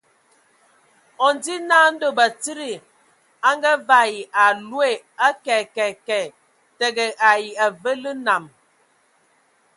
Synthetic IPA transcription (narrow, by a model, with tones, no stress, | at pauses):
ɔ˨n˨di˦na˦n̩˦do˨ba˨ti˦ɾi˨ | a˦ŋɡa˦va˦˨ji˨ʔa˨lwe˨ | a˦kɛ˨kɛ˨kɛ˨ | tə˨ɡə˨ʔa˨ji˨a˨və˦lə˦na˨m